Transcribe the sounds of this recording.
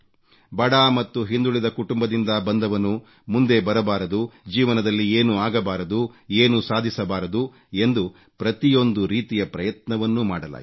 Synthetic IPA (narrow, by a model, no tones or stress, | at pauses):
bɐɽaːmɐt̪ːuɦind̪uɭid̪ɐkuʈumbɐd̪ind̪ɐbɐnd̪ɐʋɐnːu | mund̪e̞bɐɾɐbaːɾɐd̪ud͡ʒiːʋɐnɐd̪ɐlːieːnuaːɡɐbaːɾɐd̪ueːnusaːd̪ʱisɐbaːɾɐd̪u | e̞nd̪u | pɾɐt̪ijo̞nd̪uɾiːt̪ijɐpɾɐjɐt̪nɐʋɐnːuma̰ːɽɐla̰ː